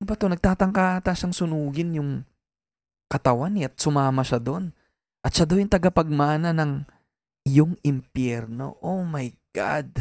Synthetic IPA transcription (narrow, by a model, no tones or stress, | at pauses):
nʊbɐt̪o̞nɐɡ̚t̪aːt̪ɐŋkaːt̪ɐʃaŋsʊnuːɡɪnjʊŋ | kɐt̪ɐwanɪɐt̪̚sʊmaːmɐʃad̪o̞n | ʔɐt̪ʃad̪ɐwjʊŋt̪ɐɡɐpɐɡ̚maːnɐnɐŋ | jʊŋɪmpjɛɾno̞̰ʔomɐjɡ̥a̰d̪̚